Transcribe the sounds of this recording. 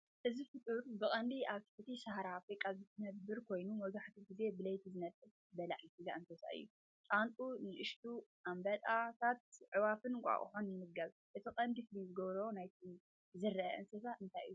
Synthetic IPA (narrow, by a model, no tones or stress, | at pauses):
ʔɨzifɨt̪ʼɨɾbɨkʼɐnd̪iaβt̪ʰɨ̥ħɨt̪isahɾaːfɾikʼːazɨt̪ʰɨnɐbɨɾkʰo̞jnumɐɡaħt̪ʰiɡɨze̞bɨlɐjt̪ʰizɨnɐt̪ʼːɨl | bɐlaʕisɨɡaʔɨnsʰɐsa̰ʔɨ̰jːu | t͡ʃʼant̪ʼunɨʔɨʃt̪ʰuʔambɐt̪ʼat̪ʰat̪̚ʕɨwafɨnkʷʼa̰ʔʼħonːɨmɨɡaβ | ʔɨt̪ʰiqʼɐnd̪isɨlizɨɡɐβɾɐonajt̪ʰi | zɨrːɐɐʔɨnsɐsaʔɨnt̪ʰajɨ̰ːu